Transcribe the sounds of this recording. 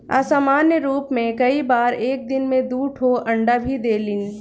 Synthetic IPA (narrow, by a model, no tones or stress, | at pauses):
a̰saːmaːnjəɾuːpmẽkɐibaːɾeːk̚d̪ɪnmẽd̪uːʈʰɦoʔɐ̃ɳɖabʱid̪eːlɪn